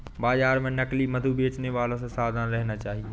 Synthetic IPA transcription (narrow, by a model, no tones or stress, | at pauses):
baːzaːɾmẽnɐklimɐd̪ʱubʱeːt͡ʃneʋaːlõsãsaːd̪ʱanɾɐɦɪnat͡ʃaːɦi